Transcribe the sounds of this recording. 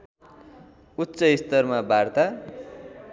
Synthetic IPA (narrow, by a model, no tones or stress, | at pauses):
utːsʌist̪ʌrmabʱart̪a